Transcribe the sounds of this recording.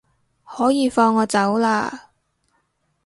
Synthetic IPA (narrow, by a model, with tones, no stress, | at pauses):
hɔː˨˥jiː˨˧fɔː˧ŋːɔː˨˧t͡sɐ˨˥wlaː˧